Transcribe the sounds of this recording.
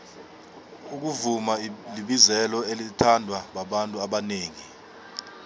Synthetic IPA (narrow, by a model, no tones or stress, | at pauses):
uk̬uvumaliɓizɛlɔelitʰandʱwaɓaɓantʼuaɓaneːŋi